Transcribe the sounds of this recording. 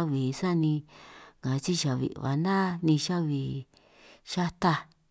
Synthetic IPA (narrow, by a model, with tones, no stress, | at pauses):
βi˨sa˦nĩ˧ŋã˨˧t͡ʃi˦ʃa˨βḭ˨ʔβa̰˨nã˦nĩ˧ʃa˦βi˨ | ʃa˦t̪a˦˧